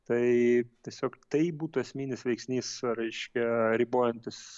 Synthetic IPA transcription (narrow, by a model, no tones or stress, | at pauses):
t̪ɐɪt̪ʲiɛsʲoːkt̪ɐɪbuːt̪ʊɛsʲmʲiːnʲɪsʋʲɛɪksʲnʲiːsɾɐɪʃʲkʲɛɾʲiboːjɛnʲt̪ʲɪs